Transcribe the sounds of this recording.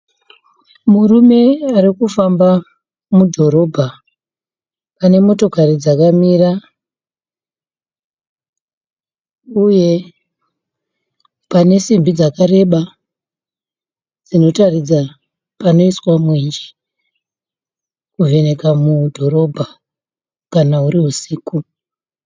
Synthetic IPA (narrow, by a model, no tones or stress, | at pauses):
murume̞aɾikufamba | mudʱo̞ɾo̞bʱa | pane̞mo̞to̞kaɾid͡zakamiːra | uje̞ | pane̞simbid͡zakaɾe̞ɓa | d͡zino̞tarid͡za | pano̞iswamweɲd͡ʒi̥ | kuve̞ne̞kamudʱo̞ɾo̞bʱa | kanauriɦusiːku